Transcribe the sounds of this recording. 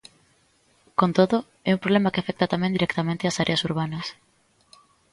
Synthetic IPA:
kont̪oðo | ɛumpɾoβlemakeafɛk̚t̪at̪amẽnd̪iɾɛkt̪amẽnt̪easaɾʔeɐsuɾβanɐs

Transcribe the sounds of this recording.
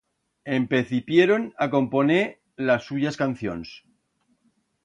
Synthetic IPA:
empeθipjeɾonako̞mpo̞ne | lasːuʝaskan̟θjo̰ns

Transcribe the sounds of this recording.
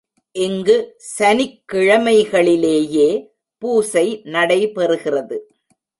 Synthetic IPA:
ʔɪŋɡɯsɐnɪkːɪɻɐmɐɪɣɐɭɪleːjeː | puːsɐɪnɐɽɐɪpɛrɯɣɪrɐðɯ

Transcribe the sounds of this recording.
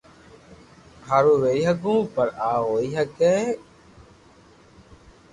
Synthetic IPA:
ɦaːɾũːʋeːiːɦəɡũːpəɾaːɦoːiːɦəkeː

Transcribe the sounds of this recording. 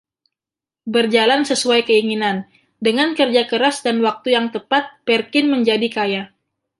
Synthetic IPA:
bərd͡ʒalansəsuajkəiŋinan | dəŋankərd͡ʒakəɾasdanwak̚t̪ujaŋt̪əpat̪̚pɛrkɪnməɲd͡ʒadikaja

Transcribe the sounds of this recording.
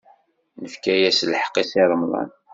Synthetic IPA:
nəfkæjæslħə̥qːisiɾˤəmlˤɑ̰n

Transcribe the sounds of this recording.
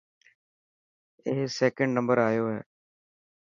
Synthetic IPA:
ɪɦsɛːkə̃ɳɖnə̃mbəɾaːjoːɦɛː

